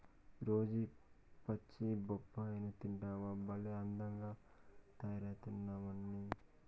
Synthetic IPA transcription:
ɾoːd͡ʒi | pɐt͡ʃːibɔpːaːjnɐt̪iɳʈaːʋɐbɐleɐnd̪ɐŋɡaːt̪ɐjaɾaːt̪unːaːmɐnːi

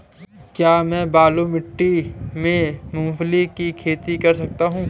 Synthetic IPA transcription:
kjaːmɛ̃ːbaːlomɪʈːimẽmʊ̃mflikikʰeːt̪ikɐɾsɐk̚t̪aɦũː

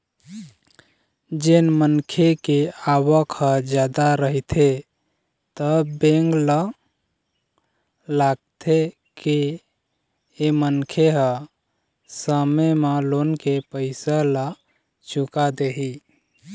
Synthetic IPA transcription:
d͡ʒenmənkʰekeawəkhəd͡ʒad̪aɾəɦt̪ʰe | t̪əbẽŋɡlə | laɡ̚t̪ʰe | ke | emənkʰeɦə | səmeməlonkepəɪsalə | t͡ʃukad̪eɦi

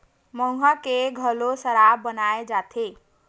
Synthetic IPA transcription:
mʌŋɦakeɡʱʌlosʌɾabʌnaed͡zat̪ʰe

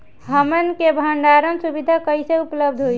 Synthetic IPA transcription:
ɦəmənkebʱəɳɖaɾənsubid̪ʱakəjseupləb̚d̪ʱɦojʰ

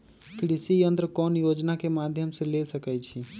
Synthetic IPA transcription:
kɾisijənt̪ɾəkɔːnjod͡ʒnakemad̪ʱjəmselesəkɛt͡ʃʰi

